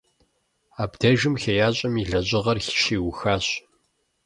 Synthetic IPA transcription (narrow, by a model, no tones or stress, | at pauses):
aːbdʰɐʒɨmxejaːɕʼɐmiɮɐʑʼɪʁɐrxʃiːwʊxaːɕ